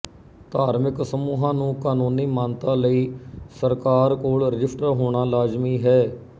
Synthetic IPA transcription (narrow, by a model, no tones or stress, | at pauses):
t̪aːɾmɪksəmuːɦãːnũːkaːnuːniːmãːnt̪ãːləiːsəɾkaːɾkoːɭɾɪd͡ʒɪsʈəɾɦoːɳ̃aːlaːd͡ʒmiːɦɛː